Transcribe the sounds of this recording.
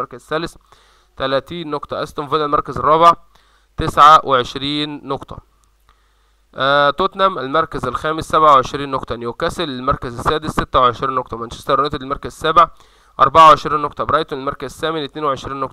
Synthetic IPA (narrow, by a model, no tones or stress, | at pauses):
ɑɾˤkæzsːæːls | t̪ælæːt̪iːnːoqt̪ˤɑʔæst̪omveːd̪ælmɑɾˤkæzerˤːɑːbeʕ | t̪esʕawʔeʕeʃɾiːnːoqt̪ˤɑ̰ | t̪ˤot̪næmʔælmɑɾˤkæzælxæːmesːæbʕaweʕeʃɾiːnːoqt̪ˤɑʔænjiwkæsælelmɑɾˤkæzæsːæːd̪esːet̪ːæweʕeʃɾiːnːoqt̪ˤɑmænʃæ̥st̪ɑbɾɑjt̪ud̪elmɑɾkæzsːæbʕ | ʔɑ̰ɾˤbaʕaweʕeʃɾiːnːoqt̪ˤɑbeɾɑːjt̪oelmɑɾˤkæzsːæːmenɪt̪neːnweʕeʃɾiːnːoqt̪ˤɑ̥